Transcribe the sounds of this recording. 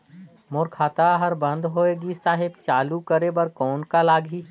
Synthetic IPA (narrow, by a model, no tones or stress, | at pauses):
mʊːɾkʰaːt̪aɦɐɾbə̃nd̪ɦoːeːɡisaːɦɪbt͡ʃaːlukəɾebəɾkɔːnkalaːɡʱɦiː